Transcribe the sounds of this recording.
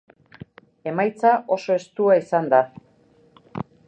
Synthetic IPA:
e̞majt͡saʔo̞so̞e̞st̪uaisand̪a

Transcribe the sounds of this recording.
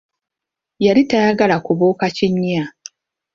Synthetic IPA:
jaɾitajaɡalakuβoːkaciɲːia

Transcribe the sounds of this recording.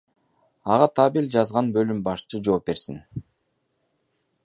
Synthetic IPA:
ɑʁɑt̪ʰɑbilʲd͡ʒɑzʁɑnbø̞lymbɑʃt͡ʃɯd͡ʒo̞ːp̚be̞ɾsin

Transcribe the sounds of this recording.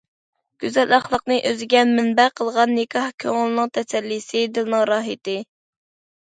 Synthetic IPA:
ɡ̥ʲyzɛlɑχlˠəqnɨʔøzɡʲɛnmɪnbæqʰəlˠʁɑnːɪkʰɑhkʲʰøŋɪlˠɨnɨŋt̪ʰɛsɛlːisɨd̪ɨlˠnɨŋɾɑːɦɨt̪ɨ

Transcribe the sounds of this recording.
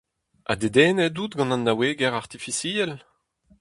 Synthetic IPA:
ʔa̰d̪ed̪ɛːnɛdut̪ɡɑ̃nãnːaweːɡɛʁaʁt̪ifisiːɛl

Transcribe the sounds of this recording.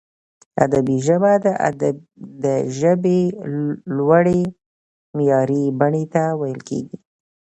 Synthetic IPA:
a̰d̪abiʒəbad̪ə̰ | d̪əʒəbe | lwaɽe | mjɑɾibaɳet̪awajəlkḛɡi

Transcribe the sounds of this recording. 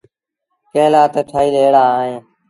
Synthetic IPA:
kẽːlaːt̪əʈʰaːiːleːɽaːɦẽː

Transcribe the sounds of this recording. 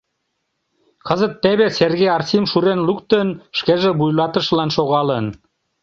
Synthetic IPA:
kəzət̪ːeβeserɣejɑrt̪ʲimʃuɾenlukt̪ənʃkeʒeβujlɑt̪ə̆ʃlɑnʃoɣɑlən

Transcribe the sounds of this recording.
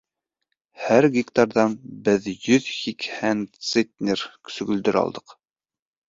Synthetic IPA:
hæɾɡʲikt̪ɑɾðɑnbɘðjɵðhikhænt̪set̪ʲnʲersɵ̆ɡɵ̆ld̪ɘɾɑ̰lˠd̪ɤq

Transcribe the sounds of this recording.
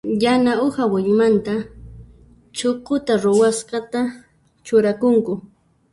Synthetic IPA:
janaʊhawɪɲʊmant̪a | t͡ʃoqʊt̪aɾʊwasqɑt̪a | t͡ʃʊɾakʊŋkʊ

